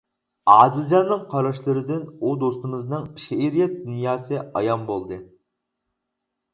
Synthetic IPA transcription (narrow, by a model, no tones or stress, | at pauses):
ɑːd̪ɪlˠd͡ʒɑnːɨŋqʰɑɾɑʃlˠɨɾɨd̪ɪnud̪ost̪ɨmɨznɨŋʃeeɾijɛt̪̚d̪unjɑːsɨɑ̰jɑmbolˠd̪ɨ